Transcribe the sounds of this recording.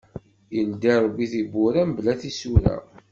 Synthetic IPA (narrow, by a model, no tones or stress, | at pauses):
jənd̪iɾˤbːiθibʊɾæmblæθisuɾæ̰